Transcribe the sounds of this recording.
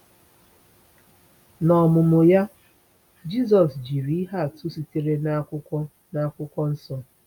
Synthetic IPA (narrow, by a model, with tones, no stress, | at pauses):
nɔ˨mʊ˨mʊ˨ja˦ | d͡ʒi˦z̬ɔ˨sd͡ʒi˨ɾi˦ɦa˦˨tʊ˦si˨te˦ɾe˦na˦kʷʊ˦kɔ˦ | na˦˨kʷʊ˦kʷɔ˦n̩˦sɔ˦